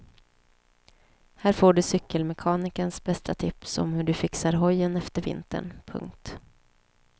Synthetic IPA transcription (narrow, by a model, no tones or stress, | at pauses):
hæːɾfoːɖɵsʏkːəlmɛkʰɑːnɪkənsbɛst̪ʰat̪ʰɪpsɔ̰mhɵɖɵfɪksaɾɦɔjːənɛft̪əɾvɪ̰nt̪ʰə̰ɳpʰɵ̰ŋk̚t̪